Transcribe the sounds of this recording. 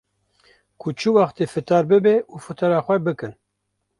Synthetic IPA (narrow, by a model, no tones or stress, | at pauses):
kʰʊt͡ʃʰɨwɑχt̪eːfɨt̪ʰɑːɾbɨbeʔuːfɨt̪ʰɑɾɑːxʷɛbɨkɨn